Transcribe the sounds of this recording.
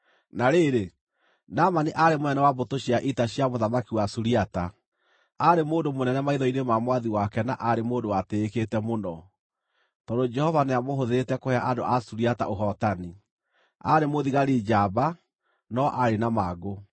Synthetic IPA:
naɾeɾe | namaniʔaɾemoɛnɛwabotoɕiaʔitaɕiamoðamakiwasuɾiata | aɾemoːndomonɛnɛmaiðɔinemamwaðiwakɛnaʔaɾemoːndowateːketɛmonɔ | tɔdod͡ʒɛhɔvaneamoɦoðeɾetɛkohɛaʔadoʔasuɾiata̰ʔoɦɔtani | a̰ɾemoðiɣaɾid͡ʒaːba | nɔʔaɾenamaɡo

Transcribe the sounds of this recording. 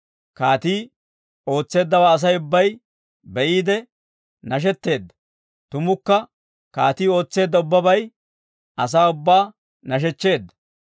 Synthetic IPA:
kaːt̪iː | o̞ːt͡sːe̞ːd̪ːɐwaːɐs̬ɐjʊbːɐj | bɛʔiːd̪ɛ | nɐʃ̬ɛt̪ːe̞ːd̪ːɐ̥ | t̪ʊmʊkːɐ | kaːt̪iːo̞ːt͡sːe̞ːd̪ːɐʊbːɐbɐj | ɐs̬aːʊbːaː | nɐʃ̬ɛt͡ʃːe̞ːd̪ːɐ̥

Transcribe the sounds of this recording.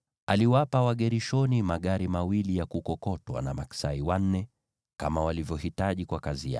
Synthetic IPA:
aliwapawaɠɛɾiʃɔnimaɠaɾimawilijakukɔkɔtwa̰namaksaiwan̩nɛ | ka̰mawalivjɔhitaʄikwakazija̰

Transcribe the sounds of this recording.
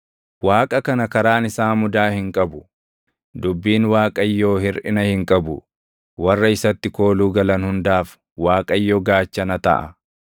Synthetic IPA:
waːkʼɐkɐnɐkɐɾaːnɪsaːmʊd̪aːhɪŋkʼɐbʊ | d̪ʊbːiːnwaːkʼɐjːoːhɪɾʔɪnɐhɪŋkʼɐbʊ | wɐrːɐɪsɐt̪ːɪko̞ːluːɡɐlɐnhʊnd̪aːf | waːkʼɐjːɔɡaːt͡ʃːɐnɐt̪ɐ̰ʔɐ̰

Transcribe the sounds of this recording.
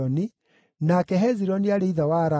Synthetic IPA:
ɔni | nakɛɦɛziɾɔniaɾeiðawaɾa

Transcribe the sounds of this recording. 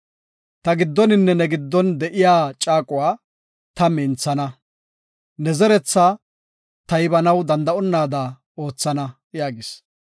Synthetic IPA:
t̪ɐɡɪd̪ːɔnɪnːɛnɛɡɪd̪ːɔnd̪ɛʔɪjaːt͡ʃʼaːkʼʊwaː | t̪ɐmɪnt͡sːɐnɐ | nɛzɛɾɛt͡sːa | t̪ɐjbɐnɐwd̪ɐnd̪ɐɔnːaːd̪ɐ | o̞ːt͡sːɐnɐ | jaːɡɪs

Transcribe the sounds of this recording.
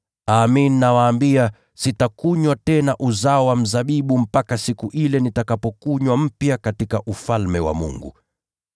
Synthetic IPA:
aːmininawaːmbia | sitakuɲwatɛnaʔuzaɔwam̩zaɓiɓum̩pakasikuʔilɛnitakapɔkuɲwam̩pjakatikaʔufalmɛwa̰mṵŋɡṵ

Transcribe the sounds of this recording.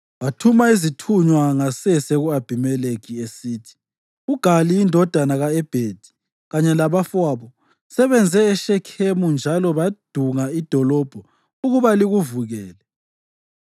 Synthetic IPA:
βatʰumaizitʰuɲwaŋasɛseɣuab̥ʱimɛlekiesiːtʰi̥ | uɡ̥ʱaliːndʱɔd̥ʱanaɣaɛb̥ʱed̥ʱi̥ | ɣaɲɛlaβafwaːβɔ | sɛβɛnd͡zʱɛːʃɛkʰemund͡ʒʱalɔβad̥ʱuŋaid̥ʱɔlɔb̥ʱɔ | uɣuβaliɣuvuɣɛːlɛ

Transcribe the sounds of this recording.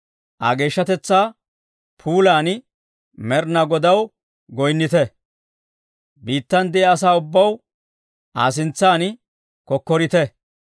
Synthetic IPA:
ʔɐ̰ɡe̞ːʃːɐt̪ɛt͡sːaː | pʰuːlaːn | mɛɾnɐɡɔd̪ɐw | ɡɔjnːɪt̪ɛ | biːt̪ːɐnd̪ɛɛɐs̬aːʊbːɐw | ʔa̰ːs̬ɪnt͡sːaːn | kɔkːɔɾɪt̪ɛ

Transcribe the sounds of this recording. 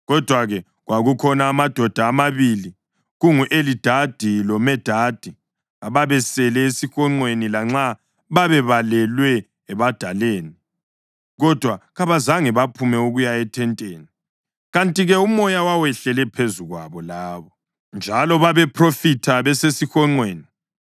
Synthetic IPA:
ɣɔd̥ʱwaɣɛ | ɣwaɣukʰɔnaːmad̥ʱɔd̥ʱaːmaβili | ɣuŋuʔelid̥ʱad̥ʱilɔmɛd̥ʱad̥ʱi | aβaβɛsɛlɛesixɔŋ͡ǀwenilaŋ͡ǁa | βaβɛβalɛlwɛː | βad̥ʱaleːni | ɣɔd̥ʱwaɣaβazaŋɛβapʰumɛuɣujaɛtʰɛntʼeːni | ɣantʼiɣɛumɔjawawɛɬɛlɛpʰezuɣwaβɔlaːβɔ | nd͡ʒʱalɔβaβɛpʰrofitʰaβɛsesixɔŋ͡ǀweːni

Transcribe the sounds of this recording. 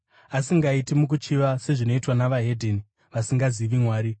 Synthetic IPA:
asiŋɡaitimuk̬ut͡ʃiʋase̞ʐino̞itwanaʋaɦe̞dʱeni | ʋasiŋɡaziʋimwaːɾi

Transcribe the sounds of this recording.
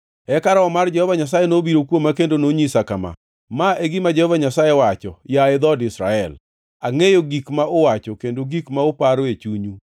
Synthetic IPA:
ɛkaɾɔɔmard͡ʒɛhɔvaɲas̬ajenobiɾokwomːakendonoɲisakama̰ | maʔeɡimad͡ʒɛhɔvaɲasajewat͡ʃɔ̰jaɪd̪ɔdɪsɾa̰ɛl | aŋejoɡikmaʔowat͡ʃɔkendoɡikmaopaɾoet͡ʃuɲu

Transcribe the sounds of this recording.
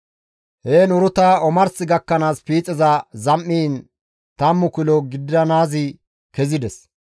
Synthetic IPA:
heːnʊɾʊt̪aɔmɐɾsɪɡɐkːɐnaːspiːt͡sʼːɛzɐzɐmːiːn | t̪ɐmːʊkʊlɔɡɪd̪ɐnaːzɪ | kɛzɪd̪ɛs

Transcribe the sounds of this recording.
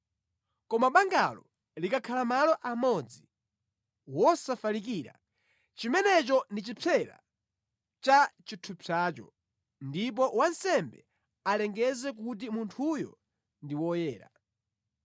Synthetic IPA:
kɔmaɓaŋɡalɔ | likakʰalamalɔʔamɔd͡zi | wɔsafalik̬iɾa̰ | t͡ʃimɛnɛt͡ʃɔndit͡ʃipʰɛɾa̰ | t͡ʃat͡ʃitʰupʰat͡ʃɔ̰ | ndip̬ɔwansɛmbɛ̰ | alɛŋɡɛzɛk̬ut̬imuntʰujɔ̰ | ndiwɔjɛːɾa̰

